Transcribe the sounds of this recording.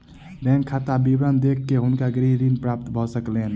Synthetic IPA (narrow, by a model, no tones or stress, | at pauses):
bɛ̃ːŋkʰːat̪abibɾənd̪ekʰːeɦʊnkaɡɾiɦɾinpɾaːp̚t̪bʱosəkleːn